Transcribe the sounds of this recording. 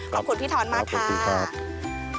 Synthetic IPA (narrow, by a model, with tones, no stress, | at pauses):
ɔː˨˧˩kʰu˨˩pʰiː˦˥˩t̪ʰɔː˧˥nmaː˥˧kʰu˧a˧kʰa˦˩˥p̚